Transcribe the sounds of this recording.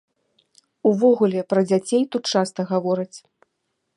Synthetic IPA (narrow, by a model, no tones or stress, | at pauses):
uvɔɣulʲɛpɾɐd͡zʲat͡sʲejt̪ut̪̚t͡ʂast̪ɐɣavɔɾɐt͡sʲ